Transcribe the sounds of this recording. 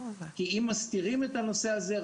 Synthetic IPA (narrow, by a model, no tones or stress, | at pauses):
kiimːast̪iʁime̞t̪ano̞seaze̞